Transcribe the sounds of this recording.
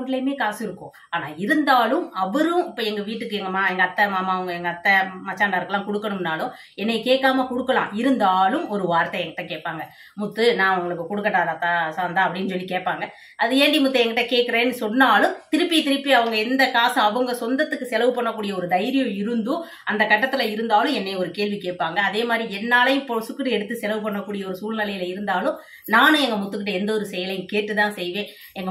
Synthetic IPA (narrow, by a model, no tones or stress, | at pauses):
ɳlɐmeːkaːsɪɾɯkːʊ̰̃ː | aːnaːɪɾɯnd̪aːlɯmɐʋɐɾɯ̃ɪpːɐːɛŋɡɐʋiːʈːɯkːɯɛŋɡɐmaːɛŋɡɐt̪ːɐmaːmaːɐʋɐŋɡɐɛŋɡɐːt̪ːɐmɐt͡ʃːaːɳɖaːɪɾɯkːɐlãːkɔɽɯkːɐɳɯmnaːlɯ̃m | ɛnːɐkeːʈːaːmɐkɔɽɯkːɐlã̰ːʔɪɾɯnd̪aːlɯmɔɾɯʋaːɾt̪ɐɛŋɡɐʈːɐ̃keːʈ̚paːŋɡɐ | mʊt̪ːɯnãːɐʋɐŋɡɐɭɯkːɯkɔɽɯkːɐʈːaːðat̪ːasaːnd̪aːɐpːɐɽɪnːɯsɔlːikeːʈ̚paːŋɡɐ | ʔɐðɯeːɳɖimʊt̪ːɐɛŋɡɪʈːɐ̃keːʈkːɪɾeːnːɯsɔnːaːlɯmt̪ɪɾɯpːijt̪ɪɾɯpːiɐʋɐŋɡɐɛnd̪ɐkaːsɐ̃ɐʋɐŋɡɐsɔnd̪ɐt̪ːɯkːɯsɛlɐʋɯpɐɳːɐkːuːɽɪjɐɔɾɯd̪ɐjɾɪjɐ̃ɪɾɯnd̪ɯ | ʔɐnd̪ɐkɐʈːɐt̪ːɪlɐɪɾɯnd̪aːlɯ̃ɛnːeːɔɾɯkeːɭʋikeːʈ̚paːŋɡɐːðeːmaːd̪ɾiɛnːaːlɐjɯ̃mpɔsɯkːɯʈːɯɛɽɯt̪ːɯsɛlɐʋɯpɐɳːɐkːuːɽɪjɐɔɾɯsuːlnɪlɐjɪlɐɪɾɯnd̪aːlɯ̃ | naːnɯ̃ɛŋɡɐmʊt̪ːɯkːɪʈ̬ːɐɛnd̪ɐɔɾɯsɛjɐlɐjɯ̃keːʈːɯt̪ãːsɛjʋẽː | ɛŋɡɐ